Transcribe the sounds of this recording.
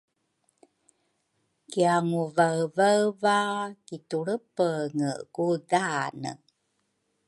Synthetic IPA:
kiaŋuvavavakituɭəpəŋəɡudanə̰

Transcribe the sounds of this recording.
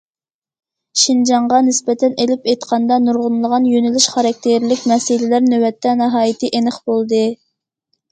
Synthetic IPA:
ʃind͡ʒɑɴʁɑnɪspɛt̪ʰɛnelɪpejt̪qʰɑnd̪ɑnuɾʁʊnlˠəʁɑnjønɪlɪʃχɑɾɑk̚ʲt̪ʰeɾlɪkʲmɛsɪlɪlæɾnøwɛt̪ʰːɛnɨɦɑːjit̪ʰɪʔenɪχbolˠd̪ɨ

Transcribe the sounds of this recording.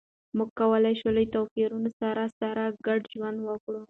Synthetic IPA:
muɡ̚kawəlajʃolojt̪awfiɾunosaɾasaɾaɡaɖʒwand̪wəkɽu

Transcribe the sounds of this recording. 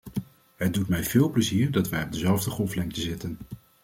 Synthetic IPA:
ɦədutmɛjv̥ɪːlˠpləziːɹdɑtʋɛjɔb̚dəzɛlˠvdəχɔlˠflɛŋktəzɪtən

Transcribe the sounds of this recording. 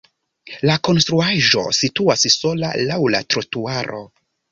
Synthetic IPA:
lako̞nstɾuaʒo̞̰situasso̞la̰lawla̰tɾotuaɾʔo̞̰

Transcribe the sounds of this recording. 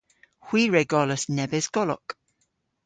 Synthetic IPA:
hw̥iːɹɛɡɔləsnɛbɛzɡ̥ɔlɔ̰k

